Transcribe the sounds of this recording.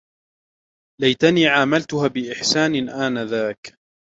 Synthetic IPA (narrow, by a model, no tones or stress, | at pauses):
lajt̪aniːʕaːmalt̪ʊhaːbɪʔɪħsaːnɪʔaːnaðaːk